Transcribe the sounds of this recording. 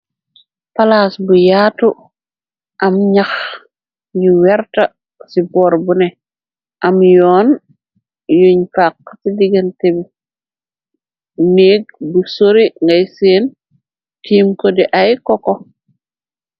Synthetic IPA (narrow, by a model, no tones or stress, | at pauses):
palasbujaːtu | ʔamɲax | jiweɾta | siboɾbune | ʔamjoːn | juɲfakːsidiɡentebi | neːɡ̚busoɾiŋɡajseːn | tiːmkodiʔajkoko